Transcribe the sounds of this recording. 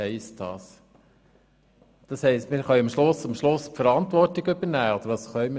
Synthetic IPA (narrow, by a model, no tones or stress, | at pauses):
ɛɪst̚d̥ɑ̰ːs | d̥ɑshɛɪstmɪːɾχœʏɑmʃlʊsːɑmʃlʊspfəɾɑntʋɔrtɪɡʏbənæːod̥̪əɾʋɑsχœʏm